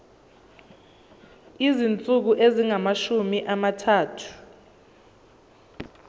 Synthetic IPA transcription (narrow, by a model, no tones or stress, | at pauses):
izint͡sʼuk̬uʔeziŋamaʃumiʔamatʰaːtʰu̥